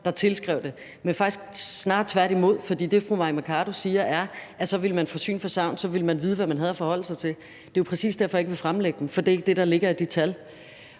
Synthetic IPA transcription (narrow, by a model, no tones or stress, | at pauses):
d̥ɑ̈t͡sʰe̝lsɡ̥ʁɛʊ̰d̥e̝ | menfɑ̈ɡ̥isɡ̥snɑ̈ːd̥̚t͡sʰʋæɐ̰ɾimo̝ð̰ˠfɒ̽d̥ḭːd̥e̝fʁumɑ̈imækʰɑːɾ̥o̝siːɐʔæɐæsɒ̽ʋiləmænfɒsy̰ːnfɒ̽sɑ̈ʊ̰nsɒ̽ʋiləmænʋiːðˠʋæmænɦæð̞ˠfɒ̽hɒ̽l̰əsɑ̈ɪt͡sʰe̝l | d̥e̝ʋɑpʰʁɛsḭːsd̥æɐfɒjeɡ̥əʋe̝fʁamleɡ̥əd̥m̩fɒ̽d̥e̝e̝ɡ̥̚d̥e̝ɾ̥ɑ̈le̝ɡ̥ɐid̥it͡sʰæl